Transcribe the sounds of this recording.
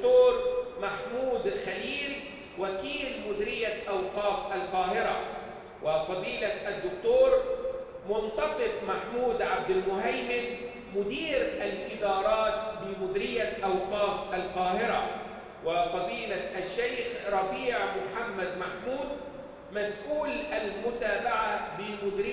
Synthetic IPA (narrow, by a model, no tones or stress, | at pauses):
t̪oːɾmaħmuːd̪alxaliːl | wakiːlmʊd̪ɪɾɪjːaʔawqɑːfalqɑːɦɪɾa | wɪfɑd̪ˤiːlaʔad̪ːʊk̚t̪oːɾ | mʊnt̪ɑsˤɨfmaħmuːd̪ʕab̚d̪ɪlmʊɦajmɪl | mʊd̪iːɾʔalʔɪd̪ɑːɾˤɑːt̪̚bɪmʊd̪ɾɪjaʔawqɑːfʔalqɑːɦɪɾa | wɪfɑd̪ˤiːlaʔaʃːajxɾˤɑbiːʕmʊħamːad̪maħmuːd̪̚ | masʔuːlʔalmʊt̪aːbaʕabɪmʊd̪ɾɪ